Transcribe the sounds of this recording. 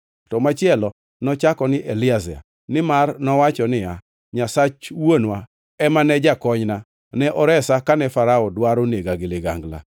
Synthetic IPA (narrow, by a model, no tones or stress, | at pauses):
tɔmat͡ʃɪɛlɔ | nɔt͡ʃakɔnɪʔelɪazɛa̰ | nɪmarnɔwat͡ʃɔnɪa | ɲasat͡ʃwonwa | ɛmanɛd͡ʒakɔɲna | nɛʔɔɾɛsakanɛfaɾaɔdwaɾoneɡaɡɪlɪɡa̰ŋɡla̰